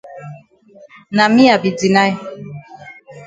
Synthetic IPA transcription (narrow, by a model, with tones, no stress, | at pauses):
na˨mi˦a˨bi˨d͡zi˨na˦ɛ˦